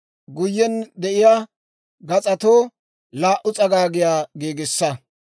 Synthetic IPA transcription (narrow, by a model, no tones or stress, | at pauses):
ɡʊjːɛnd̪ɛʔɪjaː | ɡɐt͡sʼɐt̪oː | laːʔʊt͡sʼɐɡaːɡɪjaːɡeːɡɪsːɐ